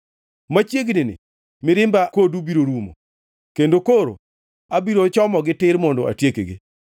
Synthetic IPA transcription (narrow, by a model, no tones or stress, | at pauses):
mat͡ʃjeɡnɪnɪ̰ | mɪɾɪmbakodubiɾoɾumo̰ | kendokoɾo̰ | abiɾot͡ʃɔmɔɡɪtɪɾmɔndɔa̰tjekḛɡi